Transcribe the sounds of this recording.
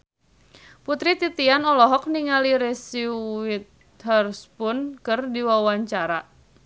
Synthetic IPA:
put̪ɾit̪it̪ianɔlɔɦɔk̚niŋaliɾɛsiwit̪̚ | ɦərspʊnkərdiwawaɲt͡ʃaɾa

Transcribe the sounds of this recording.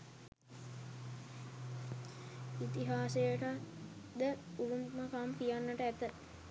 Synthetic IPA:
it̪iɦaːsejəʈə | d̪əuʋumməkamkijanːəʈəæt̪ə

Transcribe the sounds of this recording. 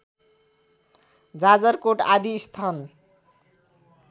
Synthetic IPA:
d͡zad͡zʌrkoʈad̪iːst̪ʰʌn

